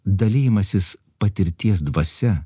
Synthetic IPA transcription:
d̪ɐlʲiːjɪmɐsʲɪs | pɐt̪ʲɪɾʲt̪ʲiɛs̬d̪ʋɐsʲɛ

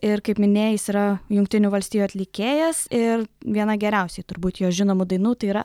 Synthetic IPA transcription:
ɪrkɐɪpmʲɪnʲeːjjɪsiːɾɐjʊŋk̚t̪ʲɪnʲʊːʋɐlʲsʲt̪ʲiːjuɐt̪ʲlʲɪkʲeːjɛsɪrʋʲiɛnɐɡʲɛɾʲɛʊsʲɛɪt̪ʊɾbuːt̪joːʒʲɪnoːmʊd̪ɐɪnuːt̪ɐɪiːɾɐ

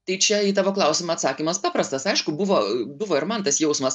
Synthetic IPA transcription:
t̪ɐɪt͡ʃʲɛiːt̪ɑːʋoːklˠɐʊsʲɪmɐɐt̪sɑːkʲimɐspɑːpɾɐst̪ɐsɐɪʃkʊbʊʋoːbʊʋoːɪɾmɐnt̪ɐsjɛʊsmɐs

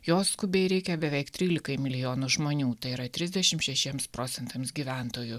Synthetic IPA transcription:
joːskʊbʲeːɪɾʲɛɪkʲɛbʲɛʋʲɛɪkt̪ʲɾʲiːlʲɪkɐɪmʲɪlʲɪjoːnʊʒmoːnʲuːt̪ɐɪiɾɐt̪ʲɾʲɪzʲd̪ʲɛʃʲɪmtʃʲɛʃʲiɛmspɾoːt̪sʲɛnt̪ɐmsɡʲiːʋʲæˑnt̪oːjʊ

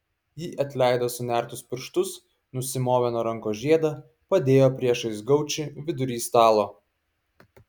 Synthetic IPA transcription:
jiːʔɐt̪ʲlʲæˑɪd̪oːsʊnʲæˑɾt̪ʊspʲɪɾʃt̪ʊs | nʊsʲɪmoːʋʲɛnoːɾɐŋkoːʒʲiɛd̪ɐ | pɐd̪ʲeːjoːpʲɾʲiɛʃɐɪsɡɐʊt͡ʃʲɪʋʲɪd̪ʊɾʲiːst̪ɑːlˠoː

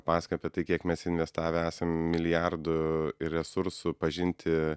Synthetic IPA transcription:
pɑːskɐpʲɛt̪ɐɪkʲiɛkmʲɛsɪnʲʋʲɛst̪ɑːʋʲɛæːsɐmmʲɪlʲɪjærd̪ʊɪrɾʲɛsʊɾsʊpɐʒʲɪnʲt̪ʲʰɪ

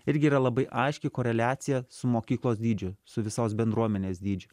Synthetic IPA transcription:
ɪɾʲɡʲɪiːɾɐlˠɐbɐɪʔɐɪʃʲkʲɪkoːɾʲɛlʲæːt̪sʲɪjɛsʊmoːkʲiːklˠoːsd̪ʲiːd͡ʒʲʊsʊʋʲɪsoːsbʲɛnd̪ɾuɔmʲɛnʲeːsd̪ʲiːd͡ʒʲʊ

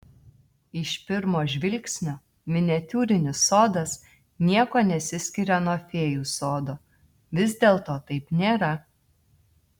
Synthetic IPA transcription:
ɪʃpʲɪɾmoːʒʲʋʲɪlʲksʲnʲoː | mʲɪnʲɛt̪ʲuːɾʲɪnʲɪsoːd̪ɐs | nʲiɛkoːnʲɛsʲɪsʲkʲɪɾʲɛnoɔfʲeːjuːsoːd̪oː | ʋʲɪzʲd̪ʲeːlˠt̪oːt̪ɐɪpnʲeːɾɐ

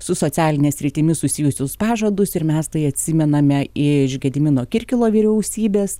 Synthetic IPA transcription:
sʊsoːt̪sʲæːlʲɪnʲeːsʲɾʲɪt̪ʲɪmʲɪsʊsʲɪjʊsʲʊspɑːʒod̪ʊsɪɾmʲɛst̪ɐɪɐt̪ʲsʲɪmʲɛnɐmʲɛɪʒʲɡʲɛd̪ʲɪmʲɪnoːkʲɪɾʲkʲɪlˠoːʋʲiːɾʲɛʊsʲiːbʲeːs

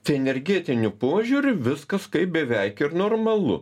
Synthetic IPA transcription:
t̪ʲɐɛnʲɛɾʲɡʲeːt̪ʲɪnʲʊpoɔʒʲuɾʲʊʋʲɪskɐskɐɪp̚bʲɛʋʲɛɪkɪɾnoːrmɐlˠʊ̰

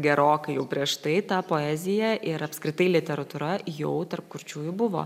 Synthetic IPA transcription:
ɡʲɛɾoːkɐɪjɛʊpʲɾʲiɛʃt̪ɐɪt̪ɑpoːɛːzʲɪjɛʔɪɾɐpskɾʲɪt̪ɐɪlʲɪt̪ʲɛɾɐt̪ʊːɾɐjɛʊt̪ɐrpkʊrʲt͡ʃʲuːjʊbʊʋo̰ː

